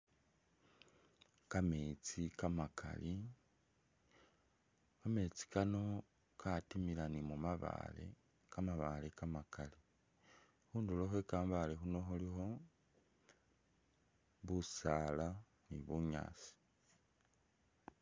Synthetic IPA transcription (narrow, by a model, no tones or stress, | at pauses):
kame̞ːt͡sikamakʰa̰li | kame̞t͡si̥kano̞ | kʰatimiɾanimumaβa̰lḛ | kamaβalekamakali | huːnduloxwekaːmbale̞xuno̞xulixo̞ | βusala | niβuɲa̰ːsi̥